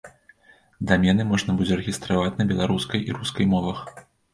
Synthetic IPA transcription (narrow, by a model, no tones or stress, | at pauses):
d̪amʲɛnɨmɔʐnɐbɨd͡zʲɛrɛɣʲist̪ɾavat͡sʲnɐbʲɛlˠaɾuskɐjʔḭɾuskɐjmɔvɐx